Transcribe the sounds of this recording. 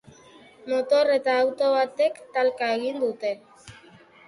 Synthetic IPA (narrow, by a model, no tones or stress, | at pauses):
mo̞t̪o̞re̞t̪aːwt̪o̞βat̪e̞kt̪alkae̞ɣind̪ut̪e̞